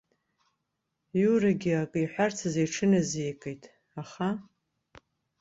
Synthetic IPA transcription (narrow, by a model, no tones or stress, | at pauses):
juraɡʲiakʼiħʷart͡sʰazejʈ͡ʂʰɨnazejkʼejtʼ | aχa